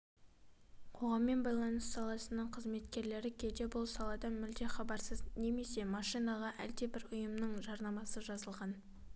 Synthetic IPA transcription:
qʰo̞ʁɑmːe̞nbɑjlˠɑnəsːɑlˠɑsənəɴqʰəzme̞t̪kʲe̞ɾle̞ɾɪkʲʰed̪e̞bʊlˠsɑlˠɑd̪ɑmɪld̪eχɑbɑɾsəzne̞me̞se̞mɑʃijnɑʁɑʔælt̪e̞bɪɾʊjəmnəɴʒɑɾnɑmɑsəʒɑzəlˠʁɑn

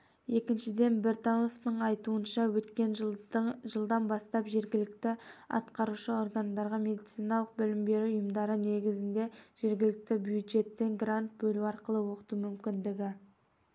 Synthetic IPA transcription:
je̞kʲɪnʃɪd̪e̞nbe̞ɾt̪onoft̪əɴɑjt̪uənʃɑwɵt̪kʲe̞n | ʒəlˠd̪ɑnbɑst̪ɑpʒe̞ɾɡʲɪlɪk̚t̪ɪɑ̰t̪qɑɾuʃəo̞rɡand̪ɑɾʁɑmʲe̞d̪it̪sijnɑlˠəq̚bɪlɪmbe̞ɾuʊjəmd̪ɑɾəne̞ɡʲɪzɪnd̪e̞ʒ̥e̞ɾɡʲɪlɪk̚t̪ɪbjud̪ʒe̞t̪ːeŋɡrant̪̚bɵluɑɾqəlˠəwo̞qə̥t̪umʏmkʲɪnd̪ɪɡʲɪ

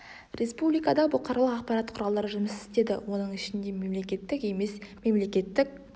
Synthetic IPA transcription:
re̞spublijkɑd̪ɑbʊqɑɾɑlˠəqɑqpɑɾɑt̪qʰʊɾɑlˠd̪ɑɾəʒʏmɪsɪ̥st̪e̞d̪ɪ̰wo̞nəɴɪʃɪnd̪e̞me̞mlekʲe̞t̪ːɪke̞me̞sme̞mle̞kʲe̞t̪ːɪk̚

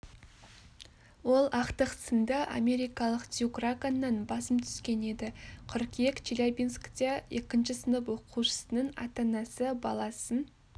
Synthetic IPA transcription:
wo̞lˠɑqt̪əqsənd̪əʔɑ̰mʲe̞ɾijkɑlˠəqt̪jukrakanːɑnbɑsəmt̪ʰʏ̥skʲe̞ne̞d̪ɪqʰʏɾqjekt͡ʃilʲabʲinskt̪ee̞kʲɪnʃɪsənəpwo̞qʰuʃə̥sənəɴɑ̰t̪ɑnɑsəbɑlˠɑsən

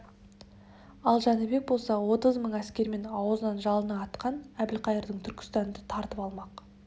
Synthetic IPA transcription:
ɑlˠʒɑnɪbe̞k̚bo̞lˠsɑwo̞t̪əzməɴæskʲe̞ɾme̞nɑwzənɑnʒɑlˠənɑːt̪qʰɑnæbɪlqʰɑjəɾd̪əɴt̪ʰʏɾkʲɪ̥st̪ɑnd̪ət̪ʰɑɾt̪əpɑlˠmɑq

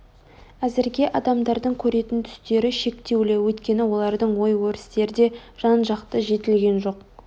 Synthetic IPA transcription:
æzɪɾɡʲe̞ʔɑd̪ɑmd̪ɑɾd̪əɴkʲʰɵɾe̞t̪ɪnt̪ʰʏ̥st̪e̞ɾɪʃe̞kt̪e̞wlɪwɵt̪kʲe̞nɪwo̞lˠɑɾd̪əɴwo̞jwɵɾɪ̥st̪e̞ɾɪd̪e̞ʒ̥ɑnʒɑqt̪əʒe̞t̪ɪlɡʲe̞nʒo̞q

